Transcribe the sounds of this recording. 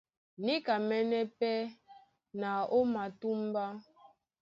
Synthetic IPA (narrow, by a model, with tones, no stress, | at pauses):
ni˦ka˨mɛ˦nɛ˦pɛ˦ | na˨o˦ma˨tu˦m˦ba˦